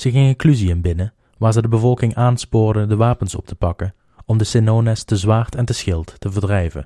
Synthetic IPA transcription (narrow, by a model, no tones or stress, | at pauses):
z̥əɣɪŋɪŋklyziəmbɪnə | ʋaːɹzədəbəvɔlˠkɪŋʔaːnspoːɹdədəʋaːpənsɔ̰p̚tʰəpɑkən | ɔmdəsɪnoːnɛstəzʋaːɹtɛntəsxɪlˠttəvəɹdrɛjvə̰